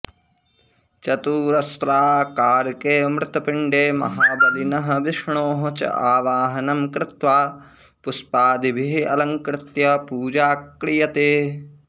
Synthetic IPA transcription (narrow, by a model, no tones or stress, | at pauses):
t͡ʃɐt̪uːɾɐst̪ɾaːkaːɾkeːmɾɪt̪ɐpɪɳɖeːmɐ̰ɦaːbɐlinɐɦɐ̆ʋɪʂɳoːɦõt͡ʃɐ̰aːʋaːɦɐnɐmkɾɪt̪ʋaː | puspaːd̪ibʱiɦiɐ̰lɐŋkɾɪt̪jɐpuːd͡ʒaːkɾijɐt̪eː